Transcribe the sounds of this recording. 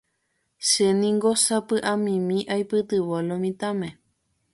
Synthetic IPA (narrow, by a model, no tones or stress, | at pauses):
ʃenĩŋɡosapɨʔãmĩmĩʔajpɨt̪ɨβolomĩt̪amẽ